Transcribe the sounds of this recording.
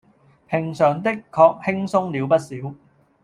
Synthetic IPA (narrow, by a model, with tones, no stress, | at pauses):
pʰɪ˨˩ŋsœː˨ŋt̪ɪ˥kʰːɔː˧k̚hɪ˥ŋsʊ˥ŋliː˨˧wpɐ˥t̚siː˨˥w